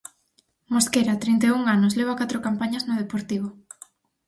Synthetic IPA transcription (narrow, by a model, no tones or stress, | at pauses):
moskeɾat̪ɾint̪euŋanʊsleβ̞akat̪ɾokampaɲɐznoð̞epoɾt̪iβ̞o